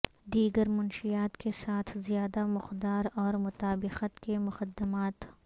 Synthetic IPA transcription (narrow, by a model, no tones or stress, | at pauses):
d̪iːɡəɾmʊnʃijaːt̪kesaːt̪ʰzjaːd̪amʊqd̪aːɾɔːɾmʊt̪aːbɪqət̪kemʊxəd̪ːəmaːt̪